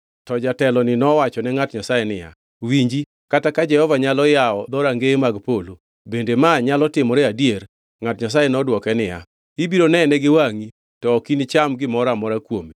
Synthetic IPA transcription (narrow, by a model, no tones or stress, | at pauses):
tɔd͡ʒatɛlɔnɪnɔwat͡ʃɔnɛŋatɲasajenɪja̰ | wiɲd͡ʒi | katakad͡ʒɛhɔvaɲalɔjaɔd̪ɔɾaŋɡemaɡpolo | bendemaɲalɔtɪmɔɾɛadjeɾ | ŋatɲas̬ajenɔdwɔkɛnɪja̰ | ibiɾonɛnɛɡɪwaŋi | tɔːkint͡ʃamɡɪmɔɾamɔɾakwomi